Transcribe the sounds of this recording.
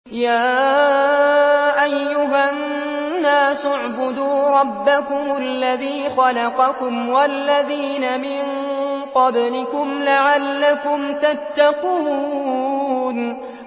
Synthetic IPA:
jaː | ʔajːʊɦanː | aːsʊʕbʊd̪uːɾˤɑbːakʊmʊlːaðiːxɑlɑqɑkʊmwalːaðiːnamɪŋ | qɑblɪkʊmlaʕalːakʊmt̪at̪ːaquː | n

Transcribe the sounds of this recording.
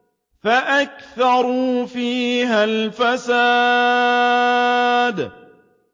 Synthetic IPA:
faʔakθɑɾˤufiːɦalfasaː | d̪

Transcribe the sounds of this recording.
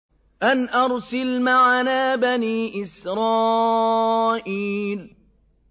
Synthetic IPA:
ʔanʔɑɾˤsalmaʕanaːbaniːʔɪsɾˤɑː | ʔiːl

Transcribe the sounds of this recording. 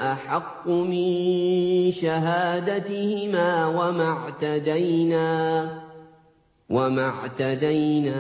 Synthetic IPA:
ʔaħɑqːʊmɪn | ʃaɦaːd̪at̪ɪhɪmaːwamaʕt̪ad̪ajnaː | wamaʕt̪ad̪ajnaː

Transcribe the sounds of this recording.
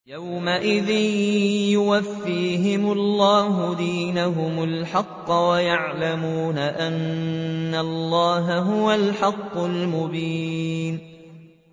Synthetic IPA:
jawmaʔɪðɪnjʊwafːiːɦɪmʊlˤːɑːɦʊd̪iːnaɦʊmʊlħɑqːɑwajaʕlamuːnaʔanː | alˤːɑːɦaɦʊwalħɑqːʊlmʊbiːn

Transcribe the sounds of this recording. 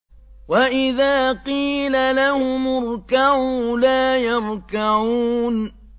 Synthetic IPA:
waʔɪðaːqiːlalahʊmʊɾˤkaʕulaːjɑɾˤkaʕuːn

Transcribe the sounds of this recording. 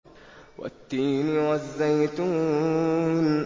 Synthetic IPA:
wa̰t̪ːiːmwazːajt̪uː | n

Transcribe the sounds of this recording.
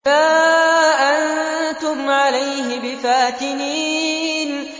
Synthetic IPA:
aːʔant̪ʊmʕalajɦɪbɪfaːt̪ɪniːn

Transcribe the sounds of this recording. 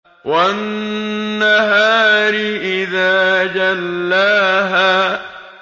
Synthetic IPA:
wanː | aɦaːɾɪʔɪðaːd͡ʒalːaːɦaː

